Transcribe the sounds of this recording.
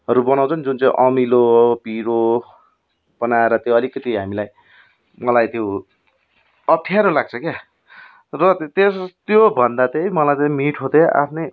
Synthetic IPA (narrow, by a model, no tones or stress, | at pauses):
ɦʌɾubʌnaw̃t͡sʰʌnd͡zunt͡saĩʔʌmilopiɾo | b̥ʌnaeɾʌt̪joʌlikʌt̪iɦamilaj | mʌlajt̪jo | ʌpʰijaɾolaɡ̚t͡sʰʌka | rʌt̪t̪est̪jobʱʌnd̪at̪ejmʌlajt̪ʌmiʈʰɦot̪eʔa̰pʰne